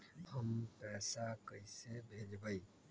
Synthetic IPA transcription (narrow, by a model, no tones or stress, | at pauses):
həmpɛːsakəisebʱed͡ʒbəi